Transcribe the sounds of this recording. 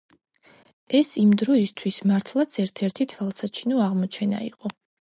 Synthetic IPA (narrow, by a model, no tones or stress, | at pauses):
ɛsimd̪ɾɔist̪ʰwismaɾt̪ʰlˠat̪sʰɛɾt̪ʰɛɾt̪ʰit̪ʰwalˠsat͡ʃʰinɔaʁmɔt͡ʃʰɛna̰ḭqʼɔ